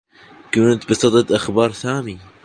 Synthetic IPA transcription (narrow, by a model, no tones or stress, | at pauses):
kuːnt̪bɨsˤɑd̪ˤɑt̪ʔaxbɑːɾˤθaːmi